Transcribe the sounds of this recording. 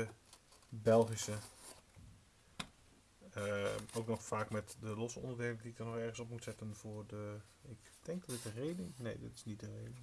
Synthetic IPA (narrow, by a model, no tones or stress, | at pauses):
ə | bɛlˠχisə | əowknɔxfaːkmɛtdəlɔsɔ̰ndəɹdeːləndiɪkdəɹnɔxɛɹχən̩sɔpmutsɛtənvʊːɹdəɪk | d̥ɛŋk̚dɔtdɪtəreːdɪŋnḛːdɪtɪ̥snit̚dəreːdɪŋ